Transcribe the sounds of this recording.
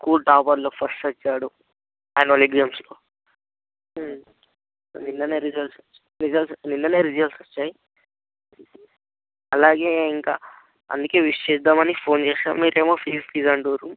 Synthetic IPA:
skuːlʈaːpɐɾloːpʰɐsʈɐt͡ʃːaːɽu | aːjɐnɐoliɡzɐmsloː | ninːɐneːɾid͡ʒɐlsot͡ʃː | ɾid͡ʒɐlsninːɐneːɾid͡ʒɐlsot͡ʃːaːji | ɐlaːɡe̞ːiŋka̰ː | ɐ̰nd̪uke̞ːʋiʂt͡ʃeːsd̪aːmɐnipʰoːnt͡ʃeːʃa̰ːmmiːɾeːmoːpʰiːsʈiːzɐɳʈoːɾu

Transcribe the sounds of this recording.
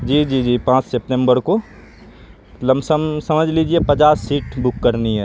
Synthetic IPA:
d͡ʒiːd͡ʒiːd͡ʒiːpãːt͡ʃsep̚ʈẽmbəɾko | lɐmsəmsɐməd͡ʒʱliːd͡ʒiepɐt͡ʃaːsːiːʈbʊkːəɾniɦɛː

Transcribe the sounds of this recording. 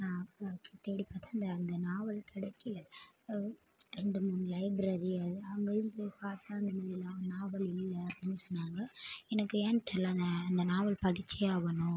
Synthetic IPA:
naːkt̪ːeːɽipːaːt̪aːɐnd̪ɐːnd̪ɐnaːʋɐlkɪɽɐkːɪlɐ | ɾɛɳɖɯmunːɯlɐɪbɾɐɾiɐðɯɐɐŋɡɐjɯmpoːjpaːɾt̪ãːɐnd̪ɐmaːðɪlanaːʋɐlɪlːɐɐpːɐɽinːɯsɔnːaːŋɡɐɛnɐkːɯɛnt̪ːɐlːɐnd̪ɐɐnd̪ɐnaːʋɐɭpɐɽɪt͡ʃːɐjaːʋɐnʊ̃

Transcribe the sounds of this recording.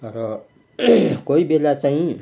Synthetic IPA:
ʌɾʌ | koibelat͡saĩ

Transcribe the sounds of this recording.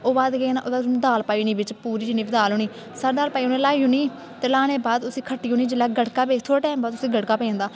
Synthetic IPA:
oːbaːd̪kenʔoːd̪aːd̪aːlpaːiːnĩːbɪt͡ʃpuːɾiːd͡ʒɪniːbɪd̪aːloːniː | səɾd̪aːɾpaːiːonẽːlaːiːuːniː | t̪eːlaːɽ̃eːbaːd̪ʊsĩːkʰəʈːiːɦõːniːd͡ʒɪlːaːɡəɽkaːbeːkt̪ʰoːɾʈɛːmbaːd̪ʊsĩːɡəʈkaːpɛ̃ːnd̪aː

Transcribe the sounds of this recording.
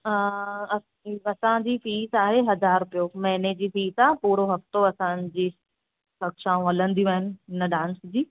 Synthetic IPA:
əɐ | ɐsãd͡ʑiːfiːzaːɦeɦɐzaːɾʊpijomɛ̃ɦned͡ʑiːfiːzaːɦepuːɾoɦɐft̪oɐsãd͡ʑiː | sɐkʃaːũɐlə̃nd̪ijũaːɦɪnɪ̆ɦɪnəɖãːnsd͡ʑiː

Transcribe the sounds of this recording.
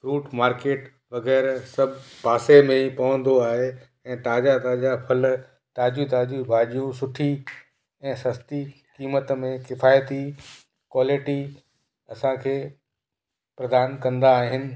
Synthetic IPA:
ɾuːʈmaːɾkeːʈ | ʋɐɣɛːɾsɐbʱpaːsemẽipɐʋə̃nd̪oaːɦe | ɛ̃ːt̪aːd͡ʑat̪aːd͡ʑapʰɐl | t̪aːd͡ʑit̪aːd͡ʑibʱaːʄijũsʊʈʰi | ɛ̃ːsɐst̪i | kiːmət̪mẽkɪfaːjt̪i | kwaːlɪʈi | ɐsãkʰeː | pɾɐd̪aːnkɐ̃nd̪aːɦɪnɪ̆

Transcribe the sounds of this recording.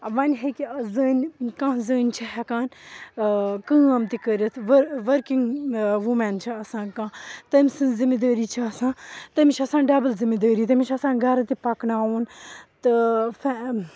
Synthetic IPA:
ʋɐnʲɦekizəːnʲkãːzəːnʲt͡ʃʰiɦɛkaːn | kə̃ːɐmt̪ikəɾɐt̪ʰʋɐɾʋɐɾkiŋɡʋumɛnt͡ʃʰiɐsãːnkãːt̪ɐmʲsɨnzimid̪əːɾiːt͡ʃʰiɐsãːt̪ɐmit͡ʃʰɐsãːnɖɐbəlzimid̪əːɾiːt̪̬ɐmit͡ʃʰɐsãːnɡɐɾt̪ipɐknaːuːnt̪ɨfɛ

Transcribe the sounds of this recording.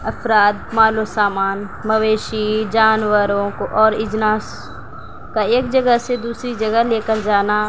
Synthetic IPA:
ɐpʰɾaːd̪maːlosaːmaːnməʋeːʃid͡ʒaːnwəɾõkoʔɔːɾɪd͡ʒnaːs | kaeːkd͡ʒəɡəɦsed̪uːsɾid͡ʒəɡəleːkəɾd͡ʒaːna

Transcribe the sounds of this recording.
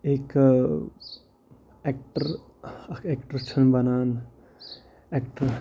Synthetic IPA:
ek | ekʈəɾ | kekʈəɾt͡ʃʰənbɐnaːn | ekʈəɾ

